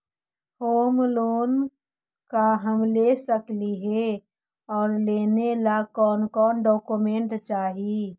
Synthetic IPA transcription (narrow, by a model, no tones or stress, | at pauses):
hoːmloːn | kaɦəmlesəkliɦɛ | ɔːɾleːnelakɔːnkɔːnɖɔːkumẽːɳʈt͡ʃaːɦi